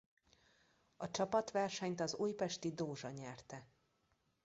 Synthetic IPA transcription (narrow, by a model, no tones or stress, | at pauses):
ɒt͡ʃɒpɒt̪ʋɛrʃɛɲt̪ɒzujpɛʃt̪id̪oːʒɒɲɛrt̪ɛ